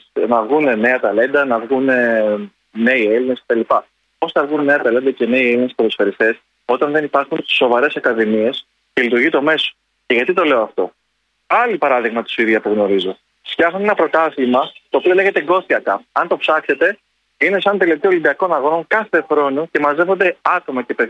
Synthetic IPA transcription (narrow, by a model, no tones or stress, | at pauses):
nɐvɣunene̞ɐt̪ɐle̞nd̪ɐnɐvɣune | ne̞ie̞linescet̪ɐlipɐ | osθɐvɣunne̞ɐt̪ɐle̞nd̪ɐce̞ne̞ielinesplosfe̞ɾist̪e̞s | o̞t̪ɐnðe̞nipɐɾxunso̞vɐɾe̞sɐkɐðimie̞s | ce̞lit̪uɾʝit̪o̞me̞so̥ | ce̞ʝɐt̪it̪o̞le̞oɐft̪o̞̰ | ɐlipɐɾɐðiɣmɐt̪u̥suiðiɐpuɣno̞ɾizo̞ | sçɐxune̞nɐpɾo̞t̪ɐθimɐt̪o̞ːpio̞le̞ʝe̞t̪e̞ɡo̞siɐkɐɐnt̪o̞psɐkse̞t̪e̞ | ine̞sɐnt̪elet̪iolib̪iɐko̞nɐɣo̞no̞ŋkɐθe̞xɾo̞nuce̞mɐzevo̞nd̪e̞ɐt̪o̞mɐce̞pe̞